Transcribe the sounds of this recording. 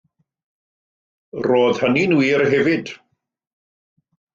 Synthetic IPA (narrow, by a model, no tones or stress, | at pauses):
roːðhəninwiːɾɦɛvɪd̥